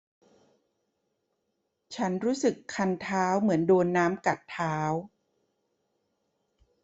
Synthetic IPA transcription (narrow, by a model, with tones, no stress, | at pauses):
t͡ɕʰa˦˥nɾuː˦˥sɯ˨˩kʰːa˧nt̪ʰaː˦˥wmɯ˩˦əndoː˧nːaː˦˥mka˨˩t̪ʰːaː˦˥w